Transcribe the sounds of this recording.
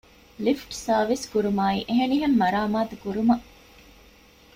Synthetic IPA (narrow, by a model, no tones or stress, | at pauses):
lifʈsaːʋiskuɾumaːḭːʔeɦeniɦemːɐɾaːmaːt̪ukuɾumɐʔ